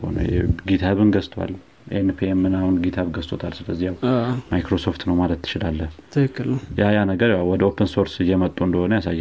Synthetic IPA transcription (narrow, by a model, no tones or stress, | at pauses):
o̰nə̰jɛ̰ɡit̪ʰaβɨnɡəst̪ʰʼwa̰l | ʔenɨpʰemɨnahunɡit̪ʰaβɡəst̪ʰʼot̪ʰalsɨləzːijawmajkɾo̞so̞ft̪nəwmalət̪ʰːɨ̥t͡ʃɪlalːət̪ʰɨkɨkːɨljajanəɡəɾjawwɔd̪əopʰənso̞ɾsɨjːɛmət̪ʼːuɨnd̪əho̞nəjasajː